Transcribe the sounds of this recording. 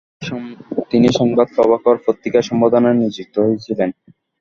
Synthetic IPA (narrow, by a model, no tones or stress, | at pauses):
t̪iniʃɔŋbad̪̚kɔβakoɾpot̪ːikaʃɔmbad̪onaɾniɾd͡ʑuk̚t̪oɦojet͡ɕʰilen